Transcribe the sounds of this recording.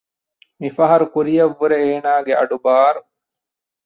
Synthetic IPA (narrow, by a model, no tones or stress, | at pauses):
mifɐɦɐɾukuɾijɐʋːuɾeːnaːɡeʔɐɖubaːɾu